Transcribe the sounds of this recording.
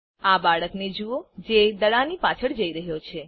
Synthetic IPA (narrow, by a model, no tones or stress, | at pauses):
abaɭəkned͡ʒuod͡ʒed̪əɭanipat͡ʃʰəɭd͡ʒəiɾəɦjot͡ʃʰe